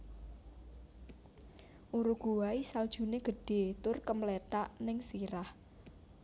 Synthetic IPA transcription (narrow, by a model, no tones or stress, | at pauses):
ʔuɾuɡ̥uwaisald̥ʒ̥ṳneɡ̥ə̤ɖ̥e̤t̪ʊrkəmlet̪aʔnɪŋsiɾah